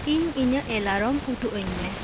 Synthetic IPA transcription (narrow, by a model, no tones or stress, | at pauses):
iɲiɲəʔɛlaɾɔmuʈuʔəɲːɛ